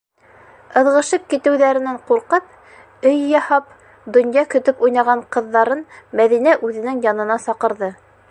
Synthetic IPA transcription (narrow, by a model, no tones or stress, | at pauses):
ɤ̆ðʁɤ̆ʃɤp̚kit̪ɘ̆wðæɾɘ̆næɴquɾqɤp̚ | ɵjːɑhɑp̚ | d̪ɵ̆njɑkɵ̆t̪ɵpujnɑʁɑɴqɤ̆ðːɑɾɤnmæðinæʔʉðɘ̆nɘŋjɑnɤ̆nɑsɑqɤ̆ɾðɤ